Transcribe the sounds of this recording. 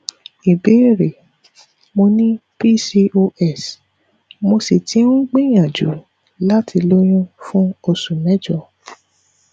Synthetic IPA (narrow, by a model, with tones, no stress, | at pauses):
i˨be˨˦ɾe˨ | mo˧nĩ˦pi˦si˧o˧ʔɛ˦˨s | mo˧si˨tʰĩ˨˦nũ˦ɡ͡bĩ˦j̃ã˨d͡ʒṵ˨˦ | la˦tʰi˧lo˦j̃ũ˦fũ˦o˧su˨mɛ˨˦d͡ʒɔ˦˨